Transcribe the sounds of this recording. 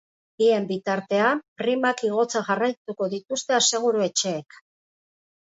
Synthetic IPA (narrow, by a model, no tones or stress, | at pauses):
bie̞mbit̪aɾt̪e̞apɾimakiɣ̞o̞t͡saʝarajt̪uko̞ðit̪ust̪e̞ase̞ɣ̞uɾue̞t͡ʃe̞ːk